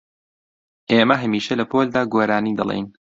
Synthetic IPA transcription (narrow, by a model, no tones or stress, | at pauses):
ʔeːmɐɦɐmiːʃɐlɐpoːld̪aːɡoːɾaːniːd̪ɐ̰lˠḛjn